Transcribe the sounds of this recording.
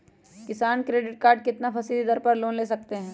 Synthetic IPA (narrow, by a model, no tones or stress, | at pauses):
kɪsaːnkɾeːɖɪʈ̚kaːɾɖ̚kɪt̪napʰɐsid̪id̪ɐɾpɐɾloːnleːsɐk̚t̪eɦɛ̃ː